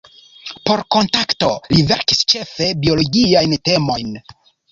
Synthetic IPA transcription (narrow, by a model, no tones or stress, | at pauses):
po̞ɾko̞ntakto̞live̞ɾkist͡ʃe̞fe̞bio̞loɡiajnte̞mo̞jn